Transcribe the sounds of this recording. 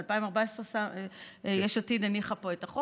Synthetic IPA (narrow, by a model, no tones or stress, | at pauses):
alpaimaʁbaesʁesa | jeʃatidaniχapo̞etaχo